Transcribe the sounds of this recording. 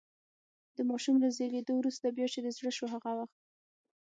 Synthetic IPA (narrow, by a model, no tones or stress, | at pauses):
d̪̥əmɑʃumlazeled̪owɾust̪abjɑt͡ʃed̪əzɽəʃoɦaɣawaxt̪̚